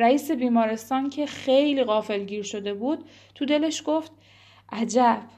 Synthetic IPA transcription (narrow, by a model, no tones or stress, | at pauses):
ɾæiːse̞biːmɒːɾe̞st̪ɒːncʰe̞xe̞jliːɣɒːfe̞lɟiːɾʃo̞d̪e̞buːd̪̥̚ | tʰud̪e̞le̞ʃɡo̞ft̪ | ʔæd͡ʒæb̥